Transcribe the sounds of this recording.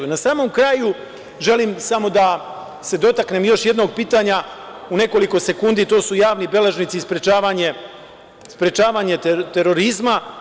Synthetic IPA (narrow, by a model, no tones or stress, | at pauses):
nasaːmo̞mkɾaːju | ʒe̞limsamo̞d̪a | se̞d̪o̞t̪aknemjo̞ʃje̞d̪no̞ɡ̚piːt̪aɲa | une̞ko̞liko̞se̞kund̪it̪o̞ːsujaːʋnibe̞leʒnit̪sispɾet͡ʃaːʋaɲe̞ | spɾe̞t͡ʃaːʋaːɲe̞t̪e̞ɾo̞ɾizma